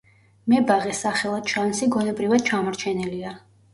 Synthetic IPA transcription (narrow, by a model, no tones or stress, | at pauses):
mɛbaʁɛsaχɛlˠad̪̥ʃansiɡɔnɛbɾivad̪̥̚t͡ʃʰamɔɾt͡ʃʰɛnɛlia